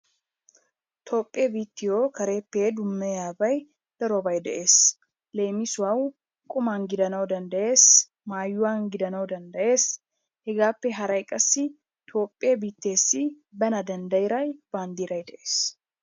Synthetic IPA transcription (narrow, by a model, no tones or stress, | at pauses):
t̪ʰo̞ːpʼːɪeːbiːt̪ːɪjoːkɐɾe̞ːpːeːd̪ʊmːɛjaːbɐj | d̪̥ɐɾobɐjd̪ɛʔe̞ːs | leːmɪsʊwaw | kʼʊmaːnɡɪd̪ɐnɐwd̪ɐnd̪ɐʔe̞ːs | maːjːʊwaːnɡɪd̪ɐnɐwd̪ɐnd̪ɐʔe̞ːs | hɛɡaːpːɛɦɐɾɐjkʼɐsːɪ | t̪ʰo̞ːpʼːɪebiːt̪ːe̞ːsːɪ | bɐnɐd̪ɐnd̪ɐjɪɾɐjb̥aːnd̪iːɾɐjd̪ɛʔe̞̥ːs